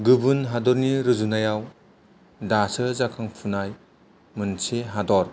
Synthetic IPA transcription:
ɡɯbɯnɦadɔɾniɾɯzunajaw | dasɯzakʰɯŋpʰunaj | mɯnseɦadɔɾ

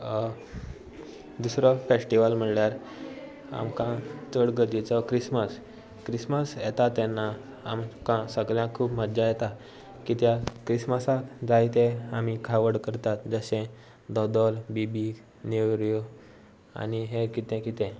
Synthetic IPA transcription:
d̪usɾɔfesʈiʋəlm̤əɳljaɾ | a̰mkãt̪əɽɡəd̪it͡sɔkɾisməs | kɾisməsjɛt̪at̪ɛnːa | amkãsəɡljãkʰuːpməd̪d͡ʑajɛt̪a | kit̪jakɾisməsat̪d͡zajt̪ẽamikʰaʋəɽkəɾt̪at̪d͡zəɕẽ | d̪ɔd̪ɔlbibi | neʋɾjo | a̰niɦẽkit̪ɛ̃kit̪ɛ̃

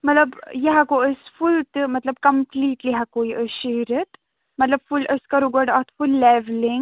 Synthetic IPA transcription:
mɐt̪lɐbjeɦakoəsfult̪ɨmɐt̪lɐb̚kɐmpliːʈliɦakoiʔəʃeɾət̪ | mɐt̪lɐbfulʔəskɐɾuɡɔɖɐt̪fulːɛʋliŋɡ

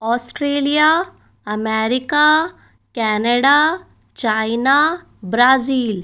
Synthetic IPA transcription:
ɔːsʈɾeːlija | ɐmɛːɾɪka | kɛːnəɽa | t͡ʃaːɪna | bɾaːziːl

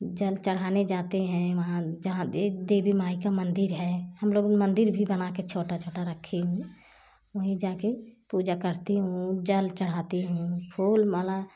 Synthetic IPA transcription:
d͡ʒəlt͡ʃəɽ̤aːned͡ʒaːt̪eɦɛ̃ʋəɦãd͡ʒəɦãed̪eːbimaːikamə̃nd̪ɪɾɦɛhəmloːɡmə̃nd̪ɪɾbʱibənaket͡ʃʰoːʈat͡ʃʰoːʈaɾəkʰːeɦũ | əɦĩd͡ʒaːkepuːd͡ʒakəɾt̪eɦũd͡ʒəlt͡ʃəɽ̤aːt̪eɦũkʰuːlmala

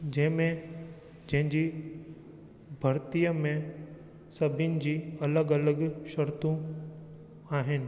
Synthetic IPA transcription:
d͡ʑɐ̃ɦɪ̃mẽ | d͡ʑɐ̃ɦɪ̃d͡ʑiː | bʱɐɾt̪ijəmẽ | sɐbʱɪnɪ̆d͡ʑiːɐləɡɐləɡʃɐɾt̪ũ | aːɦɪnɪ̆

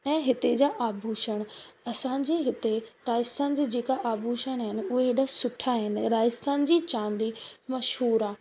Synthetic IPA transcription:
ɛ̃ːɦɪt̪ed͡ʑaːʔaːbʱuːʃəɽ̃ɐsãɲd͡ʑeːɦɪt̪eɾaːjɪst̪ãːnɪd͡ʑeːd͡ʑeːkaʔaːbʱuːʃəɽ̃aːɦɪnɪ̆ʊɦeːɗasʊʈʰaɦɪnɪ̆ɾaːjɪst̪ãːnɪ̆d͡ʑiːt͡ɕãːnd̪imɐʃɦuːɾaː

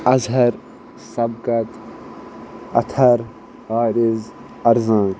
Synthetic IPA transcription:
ɐzɦɐɾ | sɐbkɐt̪ | ɐ̰t̪ʰɐɾ | haːɾɪz | ɐɾzãː

